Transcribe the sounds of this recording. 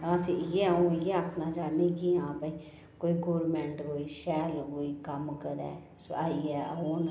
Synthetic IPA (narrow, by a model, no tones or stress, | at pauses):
ãːsĩjeːəũːɪjeːakʰnãːd͡ʒaːniːkiãːbəiː | koːiːɡoːɾmɛ̃ːɳʈkoːiːʃɛːlkoːiːkəmkəɾɛ̰ː | so̰aːiɛːəɦoːn